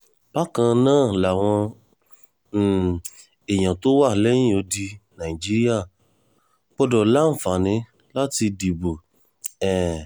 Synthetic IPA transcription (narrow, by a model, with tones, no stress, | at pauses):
b̥a˦kã˧nãː˦˨la˨w̃ɔ̃˧˨ | e˨ɲ̃ã˨to˦wa˦˨lɛ˦ɲĩ˦o˨˧˦di˧nã˨i˨d͡ʒi˦ɾi˦a˦˨ | k͡pɔ˦dɔ˨la˦m̩˨fa˨nĩ˨˦ | la˦ti˧di˨bo˨ | ɛ˨